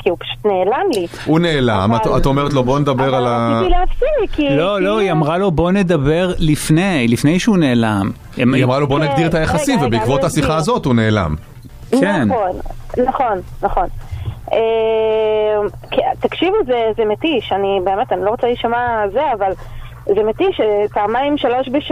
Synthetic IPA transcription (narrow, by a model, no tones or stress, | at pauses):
kʰiupḁʃu̥t̪neːlamli | une̞ːla̰matatomeʁet̪̬lobo̞ned̪abe̞ʁalaileafsilikilo̞lo̞iamʁalo̞bo̞ne̞d̪abe̞ʁlifnejlifne̞jʃeune̞ːlam | emiamʁalobo̞naɡd̪iʁet̪ajaχaimvebeikvot̪hasiχaːzo̞t̪une̞ːla̰m | kenonːaχo̞nnaχo̞ne | mkit̪akʃivuzezemet̪iʃanibe̞ːmet̪aniloʁot͡saliʃamazeaval | zemet̪iʃepaːmajimʃalo̞ʃbeʃ